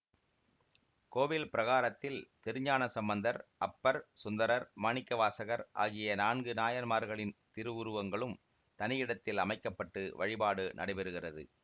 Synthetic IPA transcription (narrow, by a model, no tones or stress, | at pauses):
koːʋɪlpɪɾɐɣaːɾɐt̪ːɪlt̪ɪɾɯɲaːnɐsɐmbɐnd̪ɐɾʔɐpːɐɾsʊnd̪ɐɾɐɾmɐɳɪkːɐʋaːsɐɣɐɾʔa̰ːɣɪjɐnaːɳɡɯnaːjɐnmaːɾɣɐɭɪnt̪ɪɾɯʋʊɾɯʋɐŋɡɐɭɯm | t̪ɐnɪjɪɽɐt̪ːɪlɐmɐɪkːɐpːɐʈːɯʋɐɻɪbaːɽɯnʔɐ̰ɽɐɪbɛɾɯɣɪrɐðɯ̰